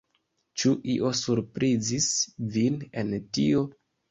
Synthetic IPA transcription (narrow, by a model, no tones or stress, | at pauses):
t͡ʃuʔiʔo̞suɾpɾʔizisvine̞ntio̞